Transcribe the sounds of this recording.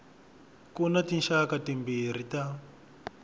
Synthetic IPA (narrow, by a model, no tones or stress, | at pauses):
kunatinʃakatimbiɾ̤ita